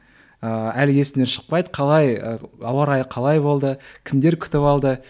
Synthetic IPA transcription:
əælɪɡʲesɪneʃə̥q̚pɑjd̪əqʰɑlˠɑjɑwɑɾɑjqʰɑlˠɑjbo̞lˠd̪əkʲʰɪmd̪e̞ɾkʲʰʏ̥t̪ɪpɑlˠd̪ə

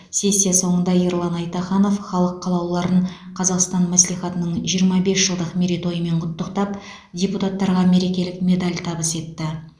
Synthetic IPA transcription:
se̞sʲːijaso̞ɴənd̪ɑiɾlˠɑnɑjt̪ɑχɑno̞fχɑlˠəqʰːɑlˠɑwlˠɑɾəɴ | qʰɑzɑqst̪ɑnmæslijχɑt̪ənəɴʒijəɾmɑbe̞sʒəlˠd̪əqmeɾit̪o̞jəme̞ɴqʰʊt̪ːəqt̪ɑp | dʲe̞put̪at̪ːɑɾʁɑme̞ɾe̞kʲe̞lɪkmʲe̞d̪alʲt̪ʰɑbəse̞t̪ːɪ

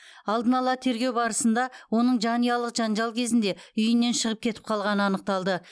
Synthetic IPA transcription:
ɑlˠd̪ənɑlˠɑt̪ʰe̞ɾɡʲe̞wbɑɾəsənd̪ɑwo̞nəɴʒɑnijɑlˠəqʒ̥ɑnʒɑlˠkʲʰe̞zɪnd̪eʏjɪnːe̞nʃəʁəp̚kʲʰe̞t̪ɪ̥p̚qʰɑlˠʁɑnəɑnəq̚t̪ɑlˠd̪ə

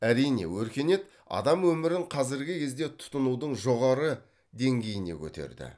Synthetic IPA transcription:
æɾijne̞̰wɵɾkʲe̞ne̞t̪ | ɑ̰d̪ɑmwɵmɪɾɪɴqʰɑzɪɾɡʲɪkʲʰe̞zd̪e̞t̪ʰʊ̥t̪ənuwd̪əɴʒo̞ʁɑɾə | d̪e̞ŋɡʲe̞jɪne̞̰kʲʰɵ̰t̪e̞̰ɾd̪ɪ̰

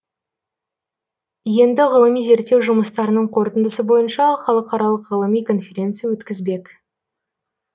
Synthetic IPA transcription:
je̞nd̪ɪʁəlˠəmijze̞ɾt̪ːe̞wʒʊməst̪ɑɾənəɴqʰo̞ɾt̪ənd̪əsəbo̞jənʃɑχɑlˠəqɑɾɑlˠəqʁəlˠəmijkʰo̞nfʲe̞ɾʲe̞nt̪sɨjawɵt̪kʲɪzbe̞k

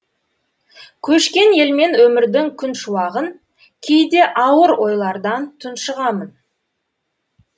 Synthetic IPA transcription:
kʲʰɵʃkʲe̞ne̞lme̞nwɵmɪɾd̪ɪŋkʲʰʏnʃuwɑʁən | kʲʰejd̪e̞ʔɑwəɾo̞jlˠɑɾd̪ɑnt̪ʰʊnʃəʁɑmən

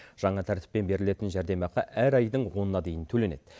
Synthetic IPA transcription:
ʒ̥ɑɴɑt̪ʰæɾt̪ɪ̥pːe̞nbe̞ɾɪle̞t̪ɪnʒæɾd̪e̞mɑqɑʔæɾɑjd̪əɴwo̞nənɑd̪e̞jɪnt̪ʰɵle̞ned̪̥

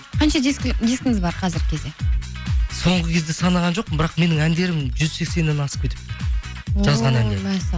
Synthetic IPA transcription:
qʰɑnʃɑd̪iskʲd̪iskʲɪŋɪzbɑɾqʰɑzɪɾɡʲɪkʲʰed̪e̞ | so̞ɴʁəkʲʰe̞zd̪e̞sɑnɑʁɑnʒo̞q̚əbɪɾɑqme̞nɪŋænd̪e̞ɾɪmʒʏzse̞kse̞nenɑsə̥kʲʰet̪ʰɪ̥p̚ | ʒɑzʁɑnæneæs

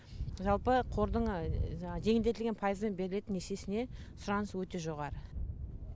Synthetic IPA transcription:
ʒɑlˠpəqʰo̞ɾd̪əɴ | ʒe̞ŋɪld̪e̞t̪ɪlɡʲenpʰajəzd̪enbe̞ɾɪle̞t̪ɪneʃe̞sɪne̞sʊɾɑnəswɵt̪e̞ʒo̞ʁɑɾə

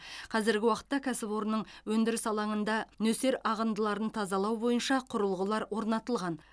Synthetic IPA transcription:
qʰɑzɪɾɡʲɪwɑqə̥t̪ːɑkʲʰæsɪpo̞ɾnəɴwɵnd̪ɪɾɪsɑlˠɑɴənd̪ɑnɵseɾɑʁənd̪əlˠɑɾənt̪ʰɑzɑlˠɑwbo̞jənʃɑqʰʊɾəlˠʁəlˠɑɾwo̞ɾnɑt̪əlˠʁɑn

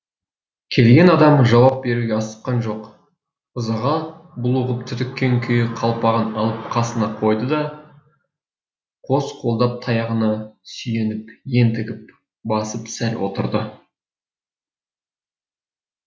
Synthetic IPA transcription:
kʲʰe̞lɡʲe̞nɑd̪ɑmʒɑwɑp̚be̞ɾuɡʲeɑsə̥q̚qɑnʒo̞q | ʊzɑʁɑbʊlˠuʁəp̚t̪ʰʏt̪ɪkʲːe̞ŋkʲʰʏjɪqʰɑlˠpɑʁənɑlˠəp̚qʰɑsənɑqʰo̞jd̪əd̪ɑ | qʰo̞sqʰo̞lˠd̪ɑp̚t̪ʰɑjɑʁənɑsʏje̞nɪpje̞nt̪ɪɡʲɪp̚ | bɑsəpsælwʔo̰t̪əɾd̪ə

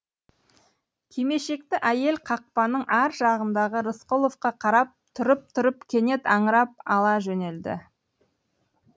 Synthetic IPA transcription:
kʲʰejme̞ʃe̞k̚t̪ɪʔæje̞lqʰɑq̚pɑnəɴʔæɾʒɑʁənd̪ɑʁəɾəsqolˠofqɑqʰɑɾɑp̚t̪ʰʊɾəp̚t̪ʰʊɾəpkʲʰe̞ne̞t̪ɑɴəɾɑp̚ɑlˠɑʒɵne̞ld̪ɪ̰

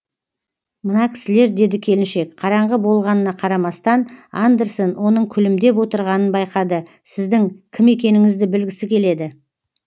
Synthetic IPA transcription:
mənɑkʲʰɪ̥sɪle̞ɾd̪e̞d̪ɪkʲʰe̞lɪnʃe̞kqʰɑɾɑɴʁəbo̞lˠʁɑnənɑqʰɑɾɑmɑst̪ɑnand̪eɾsonwo̞nəɴkʲʰʏlɪmd̪e̞pwo̞t̪əɾʁɑnənbɑjqɑd̪əsɪzd̪ɪŋkʲʰɪme̞kʲe̞nɪŋɪzd̪ɪbɪlɡʲɪsɪkʲʰe̞le̞d̪ɪ

